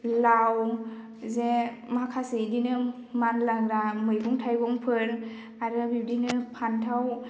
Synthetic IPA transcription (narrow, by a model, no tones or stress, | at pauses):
law | zemakʰasedinɯ | manlaɡɾamɯjɡɔŋtʰajbɔŋpʰɯn | aɾɯbib̚dinɯpʰantʰaw